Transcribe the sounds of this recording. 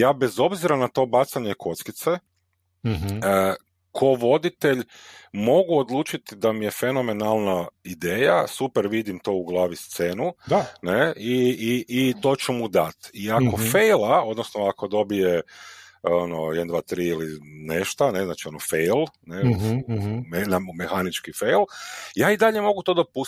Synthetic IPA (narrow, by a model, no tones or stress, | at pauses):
jaːbezo̞bziɾanat̪o̞ːbat̪saɲe̞kʰo̞t̪skit̪se | ə | kʰo̞ʋo̞d̪it̪e̞ʎmo̞ɡuod̪lˠuːt͡ʃit̪id̪amije̞fe̞no̞menalˠnaid̪eːjasupeɾʋid̪imt̪o̞ːuɡlˠaːʋist̪seːnud̪aneiiːt̪o̞ːt͡ɕɛmud̪at̪iako̞fejlˠao̞d̪nosnoako̞d̪o̞bije | ono̰jed̪and̪ʋaːt̪ɾiːilineʃt̪aneznaːt͡ʃio̞nofejlˠne | enamexanit͡ʃkifejlˠjaːid̪aʎe̞mo̞ɡut̪o̞d̪o̞pu